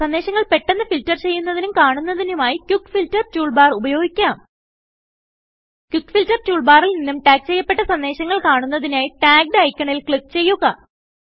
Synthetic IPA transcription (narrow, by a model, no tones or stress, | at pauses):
sɐnd̪e̞ːɕɐŋːɐɭpe̞ʈːe̞nːɨfiltːɐrt͡ɕe̞jːunːɐðinumkaːɳunːɐðinumaːjikʲjukːfiltːɐrt͡ɕuːɭbaːrubɐjo̞ːɡikʲːaːm | kʲjukːfiltːɐrt͡ɕuːɭbaːrilninːumʈaːk̚t͡ɕe̞jːɐpːe̞ʈːɐsɐnd̪e̞ːɕɐŋːɐɭkaːɳunːɐðinaːjiʈaːk̚ɖeɐjkʲːɐɳilkɭikːt͡ɕe̞jːuɣɐ